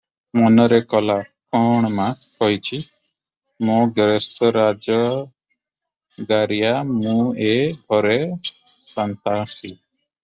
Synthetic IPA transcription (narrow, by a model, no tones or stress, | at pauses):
mɔnɔɾɛkɔla | kɔɳ̃maskɔjt͡ʃʰi | mũɡɾɛsɔɾad͡ʒɔ | ɡaɾijamũeɡʱɔɾɛ | sɔnt̪asʰi